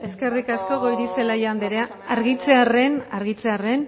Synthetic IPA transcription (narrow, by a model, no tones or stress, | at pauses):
e̞ske̞rikasko̞ɣo̞jɾise̞laʝand̪eɾea | aɾɣit͡se̞are̞naɾɣit͡se̞are̞n